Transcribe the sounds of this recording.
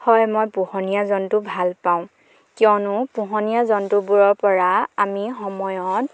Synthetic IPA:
hɔjmɔjpuhɔnijazɔntubʱalpaʊ̃ | kiɔnʊpuɦɔnijazɔntubuɹɔɹpɔɹaamixɔmɔjɔt̚

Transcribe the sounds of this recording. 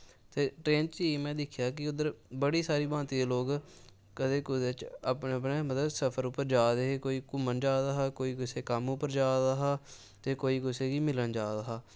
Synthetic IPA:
t̪eːʈɾeːnt͡ʃiːmɛ̃ːd̪ɪkʰjaːkɪʊd̪əɾbəɽiːsaːɾiːbãːnt̪iːd̪eːloːɡ | kəd̪eːkʊd̪eːt͡ʃaːpneːəpneːmət̪ləbsəpʰəɾʊpːəɾd͡ʒaːd̪eːɦeːkoːiːkʊmənd͡ʒaːd̪aːɦaːkoːiːkʊseːkəmʊpəɾd͡ʒaːd̪aːɦaː | t̪eːkoːiːkʊseːɡiːmɪlənd͡ʒaːd̪aɦaː

